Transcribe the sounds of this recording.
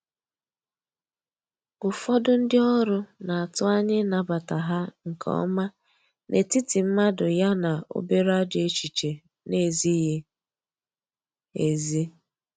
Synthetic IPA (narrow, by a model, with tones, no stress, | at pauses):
ʊ˨fɔ˦dʊ˦n̩˦dɪ˦ɔ˦ɾʊ˦na˨a˨tʊ˦a˦ɲɪ˦na˨ba˨ta˨ɦa˦ŋ̩˨kʰɔ̰˦ɔ̰˦ma˦ | nʔe˨ti˦ti˨m̩˦ma˦dʊ˨ja˦na˨o̰˦be˦ɾa˦d͡ʒe˦˨t͡ʃi˨t͡ʃe˨ | ne˨zi˦ɦe˦ | e˨ze˦